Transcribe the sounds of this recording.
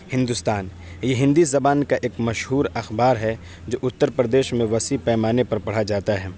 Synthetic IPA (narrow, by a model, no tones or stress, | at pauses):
hɪ̃nd̪ust̪aːn | jeɦɪ̃nd̪izɐbaːnkaʔeːkmɐʃɦuːɾɐxbaːɾɦɛ | d͡ʒoːʔʊt̪ːəɾpɾəd̪eːʃmẽʋɐsipɛːmaːnepɐɾpɐɽ̤ad͡ʒaːt̪aɦɛː